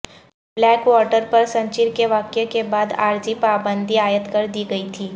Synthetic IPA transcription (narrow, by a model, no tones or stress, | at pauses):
blɛkʋɔʈəɾpəɾsə̃ɲt͡ʃiɾkeʋaːkjekebaːd̪a̰ːɾd͡ʒipaːbə̃nd̪ʱiaːjət̪kəɾd̪iɡəit̪ʰiː